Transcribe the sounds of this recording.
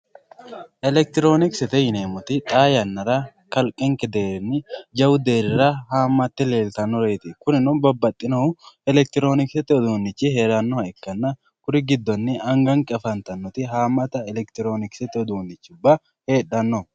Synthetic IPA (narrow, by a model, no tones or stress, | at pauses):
ʔɛlɛk̚t̪ɪɾo̞ːnɪksɛt̪ɛjɪneːmɔt̪ɪt̪ʼaːjɐnːɐɾɐ | kɐlkʼɪŋkɛd̪e̞ːɾɪnːɪd͡ʒɐwʊd̪e̞ːɾɪɾɐɦaːmːɐt̪ːɪle̞ːlt̪ɐnːɔɾeːt̪ɪkʊnɪnʊnbɐbːɐt̪ʼːɪnɐʊɛlɛk̚t̪ɪɾo̞ːnɪksɛt̪ːɪɔd̪oːnːɪt͡ʃːɪheːɾɐnːɔhɐɛkːɐnːɐ | kʊɾɪɡɪd̪ːɔnːɪɐŋɡɐŋkʼɐfɐnt̪ɐnːɔt̪ɪɦaːmːɐt̪ɐɛlɛkt̪ɪɾo̞ːnɪksɛt̪ːɪɔd̪oːnːɪt͡ʃːʊbːɐ | he̞ːᶑɐnːɔ